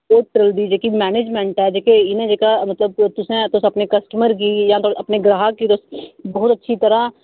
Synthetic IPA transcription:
oːt̪̚ʈɾəld̪id͡ʒeːkimɛːneːd͡ʒmẽɳʈɛːd͡ʒeːkeɪnẽd͡ʒekamɐt̪ləb̚t̪ʊsẽt̪osɐpnekɐsʈəməɾk̬ijãt̪oʔɐpneɡɾaːɦakit̪osbɔːʊt̪ɐtːʃʰit̪əɾa

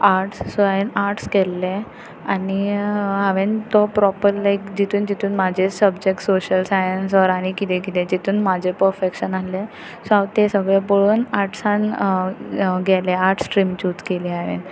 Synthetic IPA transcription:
aɾʈssəenaɾʈskɛlːe | aniɦaʋent̪ɔpɾɔpəɾlajkd͡ʑit̪ʰuːnd͡ʑit̪ʰuːnmad͡ʑʱesəbd͡ʑek̚ʈsoɕəlsajəns̬ʋɔɾaɽ̃ikit̪ẽk̬it̪ẽd͡ʑit̪ʰuːnmad͡ʑʱepəɾfekɕənale | sãʋt̪esəɡɭepoɭuːnaɾʈʰsãn | ɡɛleaɾʈʰsʈɾimt͡ɕut͡skeliːaʋḛn

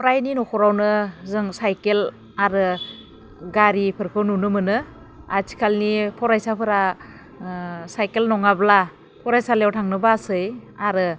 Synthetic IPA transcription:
pʰɔɾajninɔkʰɔɾawnɯzɯŋsajkel | aɾɯ | ɡaɾipʰɯɾkʰɯwnunɯmɯnɯ | atʰi̥kʰalnipʰɔɾajsapʰɯɾa | sajkelnɔŋabla | pʰɔɾajsalewtʰaŋnɯbasɯjaɾɯ

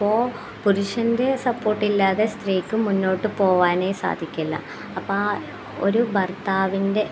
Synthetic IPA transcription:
pːoː | puɾuʂɐnde̞sɐpːo̞ːrʈːilːaːðe̞st̪riːkːɨmunːo̞ːʈːɨpo̞ːʋaːne̞ːsa̰ːd̪ʱikʲːɐlːɐ̰ | ɐpːaː | o̰ɾubʱɐrt̪aːʋinde̞

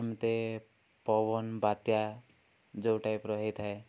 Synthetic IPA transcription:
mt̪e | pɔbɔnbat̪ja | d͡ʒowʈajpɾɔɦet̪ʰae

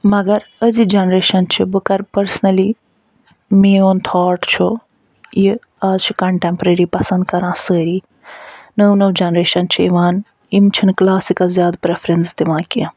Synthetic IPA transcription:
mɐɡɐɾəzid͡ʒɐnɾeːʃɐnt͡ʃʰibɨkɐɾpɐɾsnɐli | meːont̪ʰɔːʈt͡ʃʰu | ji | aːzt͡ʃʰi̥kɐɳʈempɾeɾipɐsɐ̃nd̪kɐɾãːsəːɾiː | nəwnɐwd͡ʒɐnɾeːʃɐnt͡ʃʰiiʋãːn | imt͡ʃʰinklaːsikɐlzjaːd̪pɾepʰɾenst̪iʋãːkĩ

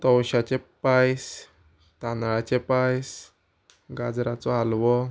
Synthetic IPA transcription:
t̪ɔwɕat͡ɕepajs | t̪anɭat͡ɕepajs | ɡad͡zɾat͡sɔalʋɔ

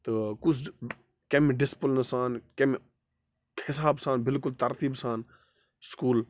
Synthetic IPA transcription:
t̪əkʊt͡ʃʰ | kemɖɪspəlnɐsaːnkem | hɪsaːbsãːnbɪlkʊlt̪ɐɾt̪iːbsaːn | skuːl

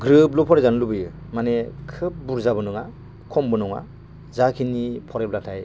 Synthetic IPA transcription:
ɡɾɯp̚lɔpʰɔɾezanlubɯjɯ | manekʰɯp̚buɾzabɯnɯŋa | kʰɔmbɯnɔŋa̰ | zakʰinipʰɔɾep̚latʰaj

